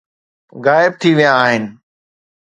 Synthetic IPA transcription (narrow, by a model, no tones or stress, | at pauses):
ɣaːɪb̚t̪ʰiʋijãːɦɪnɪ̆